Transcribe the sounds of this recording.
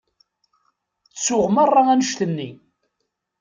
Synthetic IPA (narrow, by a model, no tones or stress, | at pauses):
sʊʁmɑrˤːɑænəʃt̪ənːi